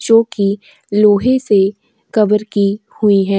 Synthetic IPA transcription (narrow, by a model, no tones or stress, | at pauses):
t͡ʃoːki | loːɦese | kɐbəɾkihʊiɦɛ̃ː